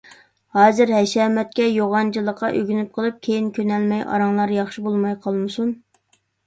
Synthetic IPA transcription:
hɑːzɨɾɦɛʃɛːmɛt̪̚kʲɛjoʁɑnt͡ʃʰilˠəqːɑʔøɡʲynyp̚qʰəlˠɨp̚kʲʰejinkʲʰønɛlmɛjʔɑ̰ɾɑŋlˠɑɾjɑχʃibolˠmɑjqʰɑlˠmɨsun

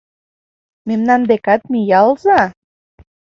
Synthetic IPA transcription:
memnɑnd̪ekɑt̪̚mijɑlzɑ

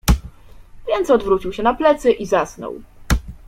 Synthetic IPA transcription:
vʲjɛnt̪sɔd̪vɾut͡ɕiwɕɛnaplɛt̪sɘʔizasnɔ̰w

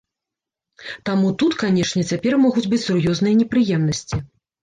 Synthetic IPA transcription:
t̪amut̪ut̪kanʲɛʂnʲɛt͡sʲapʲɛrmɔɣud͡zʲbɨt͡sʲsurjɔznɨjɐnʲɛpɾɨjɛmnɐsʲt͡sʲi

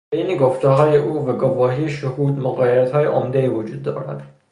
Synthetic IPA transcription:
bejneɡoft̪ɒɦɒːjeʔuːvæɡovɒːɦijeʃohuːd̪moɣɒːjeɾæt̪hɒːjeʔomd̪eiːvod͡ʒuːd̪ːɒ̰ːɾæ̰d̪̥

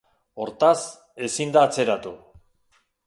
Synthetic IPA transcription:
o̞ɾt̪as | e̞sind̪aːt͡se̞ɾat̪u

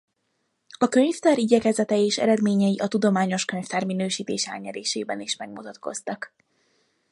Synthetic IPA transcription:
ɒkø̞ɲft̪aːɾiɟɛkɛzɛt̪ɛjeːʃɛ̰ɾɛd̪meːɲɛjiʔɒt̪ud̪o̞maːɲo̞ʃkø̞ɲft̪aːrminøːʃiːt̪eːʃɛ̰lɲɛɾeːʃḛːbɛniʃmɛɡ̚mut̪ɒt̪ko̞̰st̪ɒk

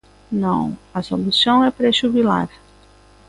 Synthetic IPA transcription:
nɐ̰̃w̃ɐsolusɐ̃w̃ɛpɾeʒubila̰ɾ

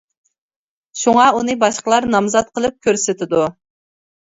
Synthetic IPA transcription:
ʃuŋɑunɨbɑʃqəlˠɑɾnɑmzɑt̪̚qʰəlˠɨp̚kʲʰøɾsɪt̪ʰɪd̪u

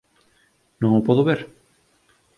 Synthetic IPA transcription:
nõŋopɔðoβeɾ

